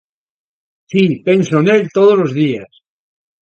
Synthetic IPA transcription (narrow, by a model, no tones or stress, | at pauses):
sipe̞nsoenelt̪oð̞olozðias